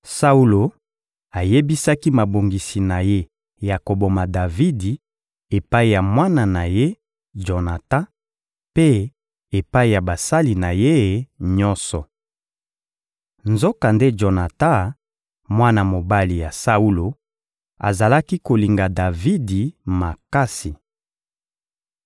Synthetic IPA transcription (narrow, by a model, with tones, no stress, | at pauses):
sa˦u˦lo˨ | a˨je˦bi˦sa˦ki˦ma˨bo˨ŋɡi˨si˨na˨je˦ | ja˨ko˨bo˨ma˨da˨vi˦di˨ | e˨pa˦i˦˨ja˨mwa˦na˨na˨je˦ | d͡ʒo˨na˨tã˦ | pe˦ | e˨pa˦i˦˨ja˨ba˨sa˦li˨na˨je˦˨ɲɔ˦nsɔ˨ | nzo˦ka˨nde˦d͡ʒo˨na˨ta˦ | mwa˦na˨mo˨ba˦li˨ja˨sa˦u˦lo˨ | a̰˨za˨la˦ki˦ko˨li˨ŋɡa˨da˨vi˦di˨ma˨ka˦si˨